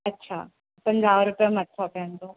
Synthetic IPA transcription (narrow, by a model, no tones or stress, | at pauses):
ɐtːɕʰa̰ː | pɐ̃ɲd͡ʑaːʋɾʊpijəmɐt̪ʰokɐjə̃nd̪oː